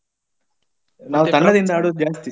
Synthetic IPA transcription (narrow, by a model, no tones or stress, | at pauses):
naːʋut̪ɐɳːɐd̪ind̪aːɽud͡ʒaːst̪i